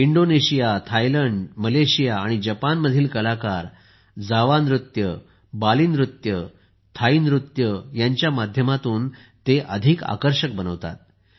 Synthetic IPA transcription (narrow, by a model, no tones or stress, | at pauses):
iɳɖoneɕijat̪ʰajləɳɖməleɕijaːɽ̃id͡ʑəpanməd̪ʱiːlkəlakaɾ | d͡zaʋanɾut̪jə | baliːnɾut̪jə | t̪ʰainɾut̪jəjaɲt͡ɕjamad̪ʱjəmat̪uːn | t̪eʔəd̪ʱika̰kəɾɕək̚bənəʋt̪a̰t̪̚